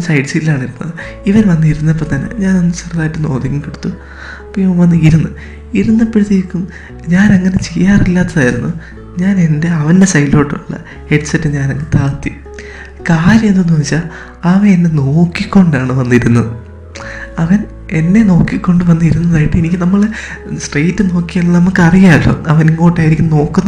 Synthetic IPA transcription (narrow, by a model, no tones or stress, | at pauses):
sɐjɖsillːaːɳiɾunːɐ̰ðɨ | iʋɐnʋɐnːiɾunːɐp̬ːɐmt̪ɐnːḛɲaːnonːɨsɐrɐðaːjiʈːɨno̞ːd̪ikʲːumkiɽut̪ːu | ɐpːoiʋɐmʋɐnːɨiɾunːu | iɾunːɐpːiɾut̪iɾkʲːum | ɲaːneŋːɐne̞t͡ɕe̞jːaːrilːaːt̪ːɐðaːjiɾunːu | ɲaːne̞nde̞ɐʋɐnde̞sɐjlo̞ːʈːuuɭːɐ̰ | he̞ɖɨsɐtːɨɲaːnɐŋːet̪aːt̪ji | kaːɾjɐmenːunuʋit͡ɕːa | ɐʋɐenːe̞no̞ːkːikʲːo̞ɳɖaːɳɨʋɐnːiɾunːɐðɨ | ɐʋɐn | e̞nːe̞no̞ːkːikʲːo̞ɳɖɨʋɐnːɨiɾunːɐðaːjiʈːɨenikʲːɨnɐmːɐɭsʈrejtːɨno̞ːkːijaɭːnɐmːukːɨɐrijaːɭːo̰ɐʋɐniŋːoːʈːaːjiɾikʲːumno̞ːkːunːɐ